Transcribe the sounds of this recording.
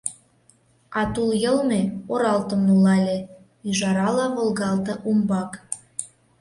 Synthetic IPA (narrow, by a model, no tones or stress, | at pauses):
ɑt̪uljɤlmeoɾɑlt̪ə̆mnulɑlʲe | yʒɑɾɑlɑβolɣɑlt̪ɤ̆ʔumbɑk